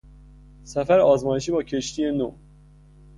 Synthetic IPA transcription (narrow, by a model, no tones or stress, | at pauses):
sæfæɾɒːzmɒːjeʃ̬iːbɒːcʰeʃt̪ʰijeno̰